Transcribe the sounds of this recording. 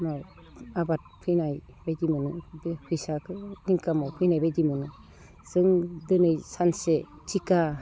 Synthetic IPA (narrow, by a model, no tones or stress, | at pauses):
maw | abat̚pʰɯjnajbejdimɯnɯbpʰɯjsakɯniŋkamɔwpʰɯjnajbejdimɯnɯ | z̥ɯŋdɯnɯjsanse | tʰika